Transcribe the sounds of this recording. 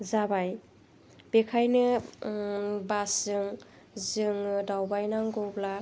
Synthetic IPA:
zabaj | b̥ekʰajnɯ | basɯŋ | zɯŋɯdawbajnaŋɡowbla

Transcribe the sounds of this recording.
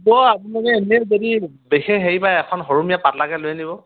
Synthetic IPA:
bɔapinanɛːnɛzodi | bexɛɦejbajɛkʰɔnɦɔɹumijapatlaɡɛlojnibɔ

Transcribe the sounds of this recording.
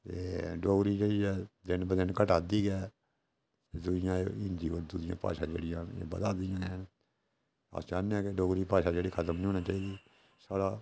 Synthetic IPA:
t̪ḛːɖoːɡɾiːd͡ʒeːɽiːɛːd̪ɪnbd̪ɪnkəʈaːd̪iːɡɛː | t̪eːd̪ʊd͡ʒɪjãːɪnd̪iːoːɾd̪ʊd͡ʒɪjã̰ːpa̰ːʃãːd͡ʒḛːɽɪjãːḛːbə̰d̪aːd̪ɪjãːɛn | a̰sd͡ʒaːneɛːkeɖoːɡɾiːpaːʃaːd͡ʒeːɽiːkʰət̪əmnĩɦoːnaːt͡ʃaːiːd̪iː | saːɽaː

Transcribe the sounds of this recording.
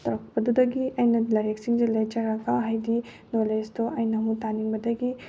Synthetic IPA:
t̪ɐɾɐkbɐd̪ud̪ɐɡiɐjnɐlɐɾeksiŋd͡ʒelat͡ʃɐɾaɡaɦajdi | nolest̪oʔɐjnɐɦũt̪aniŋbɐd̪ɐɡi

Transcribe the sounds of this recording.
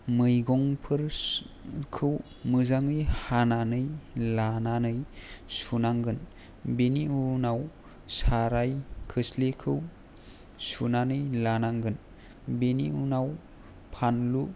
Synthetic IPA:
mɯjɡɔŋpʰɯɾ | kʰɯw | mɯzaŋɯjhananɯjlananɯjsunaŋɡɯn | beniunaw | saɾajkʰɯslekʰɯw | sunanɯjlanaŋɡɯn | beniunaw | pʰanlu

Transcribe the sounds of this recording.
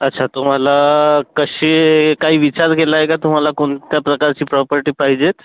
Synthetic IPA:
ətːɕʰat̪um̤alakəɕekaɦiːʋit͡ɕaɾkelaːɦekat̪um̤alakoɳt̪japɾəkaɾt͡ɕiːpɾɔpəɾʈiːpaɦid͡ʑet̪

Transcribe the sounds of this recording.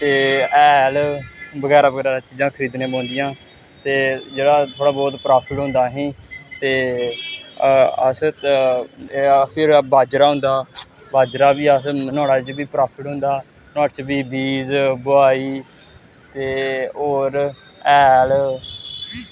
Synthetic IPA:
t̪eːɛːlbəɡɛːɾaːbəɡɛːɾaːdaːt͡ʃiːd͡ʒãːkʰəɾiːd̪nẽːbãːnd̪ɪjãː | t̪eːd͡ʒeːɽaːt̪ʰoːɽaːbɔːt̪pɾaːpʰɪʈɦʊ̃nd̪aːɦĩːt̪eː | əs | pʰɪɾbaːd͡ʒɾaːɦʊ̃nd̪aːbaːd͡ʒɾaːbiːəsnɔːɽaːt͡ʃbiːpɾaːpʰɪʈɦʊ̃nd̪aː | nɔ̃ːʈt͡ʃbiːbiːzbʊaːiː | t̪eːoːɾ | ɛːl

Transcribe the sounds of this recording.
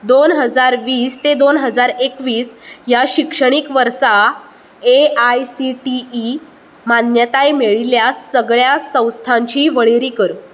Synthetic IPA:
d̪onɦəd͡zaɾʋiːst̪ed̪onɦəd͡zaɾekʋiːsjaɕikʂəɽ̃ikʋəɾsa | eajsiʈiː | manjət̪ajmeɭiljasəɡɭjasə̃w̃st̪ʰãɲt͡ɕiːʋəɭeɾiːkəɾ

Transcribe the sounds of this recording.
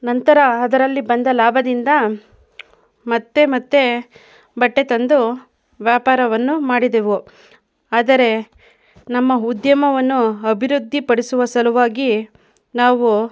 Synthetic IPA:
nɐnt̪ɐɾɐːd̪ɐɾɐlːibɐnd̪ɐlaːbʱɐd̪ind̪ɐ | mɐt̪ːe̞mɐt̪ːe̞ | bɐʈːe̞t̪ɐnd̪u | ʋjaːpaːɾɐʋɐnːumaːɽid̪eʋu | aːd̪ɐɾe̞ | nɐmːɐud̪jɐmɐʋɐnːuɐbʱiɾud̪ʱːipɐɽisuʋɐsɐluʋaːɡi | naːʋu

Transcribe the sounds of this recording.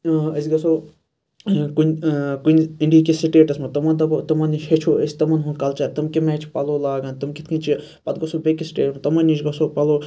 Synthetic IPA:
əsʲɡɐsoː | kunʲkunʲiɳɖiːkisiʈeːʈɐsmɐt̪ɐmɐnt̪ɐbɐt̪ɐmɐniʃet͡ʃʰoːəsʲt̪ɐmɐnɦunkalt͡ʃaːɾʲt̪ɐmkimet͡ʃʰipɐloːlaːɡaːnt̪ɐmkit̪ʰkit͡ʃʰi | pɐt̪ɡɐsoːbekisi̥ʈḛːʈmɐt̪ɐmɐniʃɡɐsoːpɐloː

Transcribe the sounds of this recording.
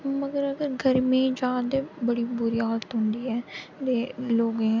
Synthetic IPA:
məɡəɾəɡəɾɡʱəɾmẽːd͡ʒaːd̪ebəɽiːbʊɾiːaːlt̪ɦʊ̃nd̪iːɛːd̪eːloːɡẽ

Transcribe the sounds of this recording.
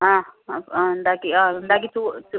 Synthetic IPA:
ɦããnd̪akiãːnd̪aːk̬it̪ut̪

